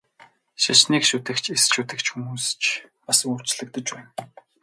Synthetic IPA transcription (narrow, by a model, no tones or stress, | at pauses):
ʃat͡ɕniːkʃut̪ɘ̆kt͡ɕʰesʃut̪ɘ̆kt͡ɕxumuːst͡ɕpasə̆kur̥t͡ɕɮɘ̆k̚t̪ə̆t͡ɕpæːn